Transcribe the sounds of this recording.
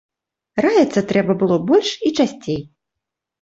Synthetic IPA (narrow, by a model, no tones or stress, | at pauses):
rajʲɛt̪sːɐt̪ɾɛbɐbɨlˠɔbɔlʲʂit͡ʂasʲt͡sʲej